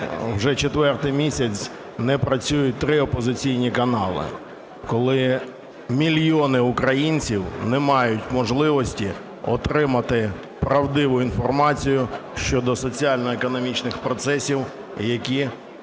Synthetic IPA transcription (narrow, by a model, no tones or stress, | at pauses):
wʒɛt͡ʃet̪ʋɛrt̪ɪjmʲisʲɐt͡sʲ | nɛpɾɐt͡sʲujʊt̚ʲt̪ɾɪɔpɔzɪt͡sʲijnʲikɐnɑ̰lˠɪ̰ | kɔlˠɪ | mʲilʲjɔnɪʊkɾɐjinʲt͡sʲiwnɛmɑjʊtʲmɔʒlˠɪʋɔsʲtʲi | ɔ̰t̪ɾɪmɐt̪ɪ | pɾɐwd̪ɪʋʊinfɔrmɑt͡sʲijʊʃt͡ʃɔd̪ɔsɔt͡sʲiɑlʲnɔekɔnɔmʲit͡ʃnɪxpɾɔt̪sɛsʲiw | jɐkʲi